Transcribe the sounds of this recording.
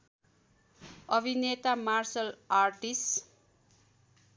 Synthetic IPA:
ʌbʱinet̪amarsʌlarʈis

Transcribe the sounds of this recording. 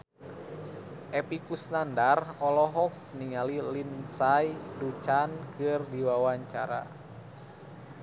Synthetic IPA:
ʔɛpikusnandarɔlɔɦɔk̚niŋalilinsajdut͡ʃankɨrdiwawaɲt͡ʃa̰ɾa̰

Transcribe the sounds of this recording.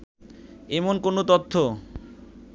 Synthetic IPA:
emonkonot̪ot̪ʰːo

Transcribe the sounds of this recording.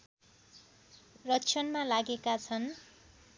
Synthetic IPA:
rʌtːt͡sʰʌnmalaɡekat͡sʰʌn

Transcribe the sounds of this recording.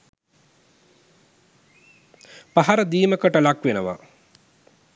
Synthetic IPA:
paɦaɾəd̪iːməkəʈəlakʋenəʋa̰

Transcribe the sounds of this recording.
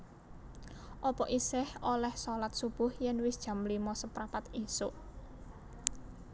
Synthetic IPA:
ʔɔpɔʔisɪholɛhsɔlat̪̚sub̥ʊhjɛnwɪsd̥ʒ̥a̤mlimɔsəpɾapat̪isʊʔ

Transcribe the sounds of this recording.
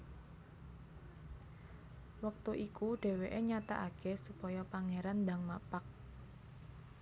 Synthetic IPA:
wək̚t̪uʔikuɖ̥e̤weʔeɲat̪a̰ʔakesupɔjɔpaŋeɾand̪aŋmapak̚

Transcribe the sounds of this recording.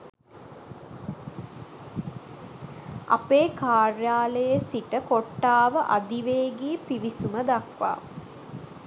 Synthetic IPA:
a̰peːkaːrjaːləjəsiʈəkoʈːaːʋəʔad̪iʋeːɡiːpiʋisuməd̪akʋa̰ː

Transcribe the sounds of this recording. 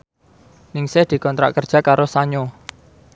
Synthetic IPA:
nɪŋsɛhd̪̥i̤kɔnt̪ɾa̰ʔkərd̥ʒ̥a̤kaɾosaɲo

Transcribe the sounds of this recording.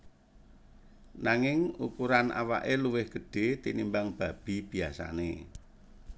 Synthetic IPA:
naŋɪŋukuɾanʔa̰wa̰ʔeluwɪhɡ̥ə̤ɖ̥e̤t̪inimbaŋb̥a̤b̥i̤b̥iasa̰nḛ

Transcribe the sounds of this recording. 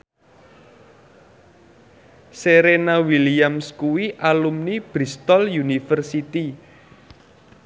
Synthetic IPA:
seɾenawiliamskuwiʔalumnib̥ɾist̪ɔljunifərsit̪i

